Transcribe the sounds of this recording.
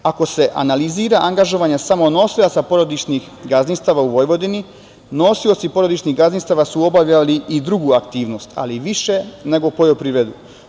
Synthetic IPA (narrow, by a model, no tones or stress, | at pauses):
ako̞se̞ʔa̰naliziːɾaʔaŋɡaʒo̞ʋaɲasamo̞no̞silat̪sapo̞ɾod̪it͡ʃnix | ɡaznist̪aʋauʋo̞jʋo̞d̪ini | no̞sio̞t̪sipo̞ɾo̞d̪it͡ʃniɣɡazninst̪aʋasuo̞baʋʎaliʔːd̪ɾuɡuːakt̪iːʋno̞st̪ʰa̰liʋiʃe̞ne̞ɡo̞po̞jopɾiʋed̪u